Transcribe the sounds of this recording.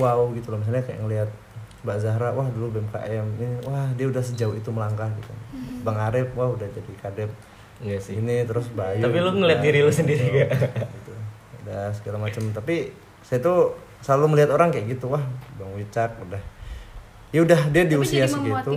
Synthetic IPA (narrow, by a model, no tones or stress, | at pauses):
wauɡit̪ulɔmis̬alɲakaja̰ŋəliɦat̪̚baʔzaɦɾawahdulubɛɛmka̰ʔɛmiwahdiaudahsəd͡ʒauit̪uməlaŋɡahɡit̪ṵbaŋaɾəp̚wahudahd͡ʒadikadɛp̚ | init̪əɾʊsbaj̪apiloŋəliat̪̚diɾilosəndiɾiɡaɡit̪u | udasəɡalamat͡ʃəmt̪api | sajat̪u | səlaluməliat̪oɾaŋkajaʔɡit̪uwahbaŋwit͡ʃak̚udah | jaudahdiadiusiasəɡit̪u